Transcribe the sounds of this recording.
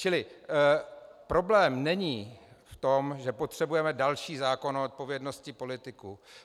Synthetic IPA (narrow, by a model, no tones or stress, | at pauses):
t͡ʃɪlɪ | pɾo̞blɛːmnɛɲiːft̪o̞mʒɛpo̞t̪r̝̥ɛbujɛmɛdalʃiːzaːko̞noot̪̚po̞vjɛdno̞scɪpo̞lɪt̪ɪku